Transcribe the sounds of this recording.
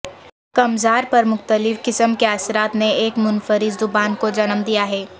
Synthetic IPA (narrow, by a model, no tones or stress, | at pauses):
kɐmzaːɾpɐɾmʊxt̪əlɪfkɪsəmkeaːsɾaːt̪neeːkmʊnfəɾɪzd̪ʊɡaːnkod͡ʒɐnəmd̪ijaɦɛː